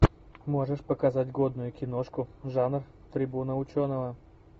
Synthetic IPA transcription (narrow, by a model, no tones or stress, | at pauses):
moʐəʂpəkazatʲɡod̪nʊjʊkʲɪnoʂkʊʐanr | t̪ɾʲɪbunəʊt͡ɕonəvə